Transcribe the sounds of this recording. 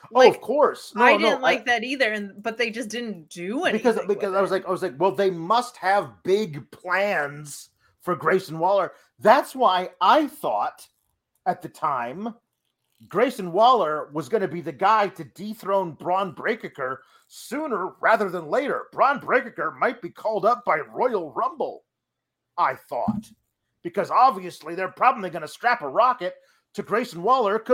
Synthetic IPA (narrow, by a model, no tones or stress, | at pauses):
oʊʌv̥kʰɔɹsnaɪdɪon̩tˡlaɪk̚ðɨɾiðə˞ɨ̃nb̥ʌt̪̚ðeɪd͡ʒʌsd̥ɪdⁿn̩d̥ɨɛbɨikʌzbɨkʌzaɪwʌzlaɪkaɪwʌzlaɪkwɛlˠðeɪmʌst̚hɨvbɪɡpʰl̥æ̃nz̥ | fə˞ɡɹeɪsn̩wɔlˠə˞ | ðætswaɪaɪθɔ̰ɾ | ɨt̪̚ðɨtʰãɪ̃m | ɡ̥ɹeɪsɨ̃n̩wɔlˠə˞wʌzɡʌñɨbiðɨɡaɪɾɨdiθɹõʊ̃nbɹɑ̃nbɹeɪkɨkə˞ | sʉ̃nə˞ɹæðə˞ðə̃nleɪɾə̰˞b̥ɹɑ̃nbɹeɪkɨkə˞maɪt̚b̥ikʰɔlˠdʌp̚b̥aɪɹɔɪl̩ˠɹʌ̃mbl̩ˠ | aɪθɔ̰t̚ | b̥ɨkʰʌzɑbviɨsliðə˞pʰɹ̥ɑblə̃m̩liɡʌnɨstɹ̥æpəɹɑkɨtʰ | ɨɡɹeɪsn̩wɔlˠə˞kʰ